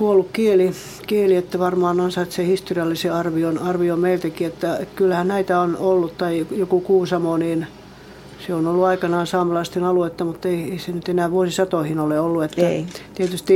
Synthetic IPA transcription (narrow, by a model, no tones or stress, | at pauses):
kuolːukkieli | kieliet̪ːæʋɑrmɑːnonsɑet̪sehist̪oriɑlːiseɑrʋionɑrʋiomeilt̪ækiet̪ːæekylːæhænnæit̪æonolːut̪t̪ɑijokukuːsɑmoniːn | seonolːuɑikɑnɑːnsɑːmɑlɑst̪inɑluet̪ːɑmut̪ːeieisenyt̪enæːʋuosisɑt̪ohinoleolːuet̪ːæit̪iet̪yst̪i